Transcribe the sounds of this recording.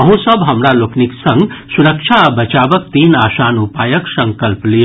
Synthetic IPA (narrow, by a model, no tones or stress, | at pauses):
əɦũsəbɦəmɾalokʰniksʌ̃ŋɡsuɾəkt͡ʃʰabət͡ʃabək̚t̪iːnaːsanupajəksə̃ŋkəlplijo